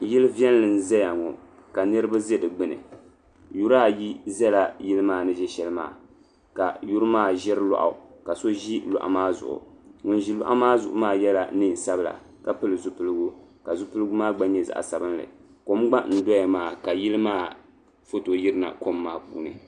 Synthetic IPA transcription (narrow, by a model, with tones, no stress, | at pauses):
ji˦lɨ˦vjɛ˦n˦lɨ˨n̩˦zɛ˦ja˨ŋɔ̰˨ | ka˨nɨ˦ɾɨ˦ba˦zɛ˦dɨ˨ɡ͡bɨ˦nɨ̰˨ | ju˦ɾaː˦ji˦zɛ˦la˨ji˦lɨ˦maː˦˨nɨ˦ʒɛ˦ʃɛ˦lɨ˦ma̰ː˦˨ | ka̰˨ju˦ɾmaː˦˨ʒɛ˦ɾlɔ̰˨ʔa̰˨ka˨so˦ʒi˦lʊ̰˨ʔa̰˨maː˦zʊ̰˨ʔʊ̰˨ŋʊ˨nʒi˦lʊ̰˦ʔa˦maː˦zʊ˨ʔʊ̰˨maː˦jɛ˦la˨nɨ˦n˨sa˦bɨ˦la̰˨ | ka˨pɨ˦lɨ˨zʊ˦pɨ˦lɨ˦ɡu˦ka˨zʊ˦pɨ˦lɨ˦ɡu˦maː˦ɡ͡ba˦ɲɛ˦za̰˨ʔa̰˨sa˨bɨ˦nlɨ̰˨ | ko˦mɡ͡ba˦n̩˨dɔ˦ja˨maː˦˨ka˨ji˦lɨ˦maː˦ | fo˦to˨ji˦ɾɨ˦na̰˨ko˦mːaː˦˨pṵː˦˨nɨ̰˨